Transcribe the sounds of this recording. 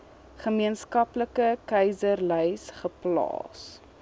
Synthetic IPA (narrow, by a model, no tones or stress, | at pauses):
χəmiənskɐpləkəkɛjzərləjsχəplɑ̰ːs